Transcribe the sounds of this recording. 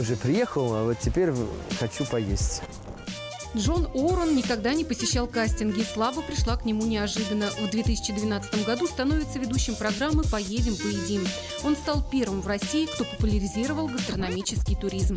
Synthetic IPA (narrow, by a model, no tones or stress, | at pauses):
ʊʐɛpɾʲɪjexəlˠavot̪tʲːɪpʲeɾʲxɐt͡ɕupɐjesʲtʲ | dʐo̞noɾənːʲɪkɐɡd̪anʲɪpəsʲɪɕːalˠkasʲtʲɪnɡʲɪslˠabəpɾʲɪʂlˠaknʲɪmunʲɪɐʐɨd̪ənəvd̪vʲe̞t̪ɨsʲɪ̥t͡ɕɪd̪vʲɪnat̪sət̪əmɡɐd̪ust̪ɐno̞vʲɪt̪səvʲɪd̪uɕːɪmpɾɐɡɾamːɨpɐjedʲɪmpəjɪdʲin | o̞nst̪alˠpʲe̞rvɨmvrɐsʲiɪkt̪o̞pəpʊlʲɪɾʲɪzʲiɾəvəlˠɡəst̪rənɐmʲit͡ɕɪskʲɪjt̪ʊɾʲizm